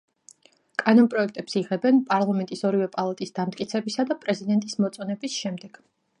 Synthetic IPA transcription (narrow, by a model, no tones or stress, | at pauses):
kʼanɔnpʼɾɔɛk̚ʰt̪ʼɛpsiʁɛbɛnpʼaɾlˠamɛnt̪ʼisɔɾivɛpʼalˠat̪ʼisd̪amt̪ʼkʼit̪sʰɛbisad̪apʼɾɛzid̪ɛnt̪ʼismɔt̪sʼɔnɛbisʃɛmd̪ɛɡ̥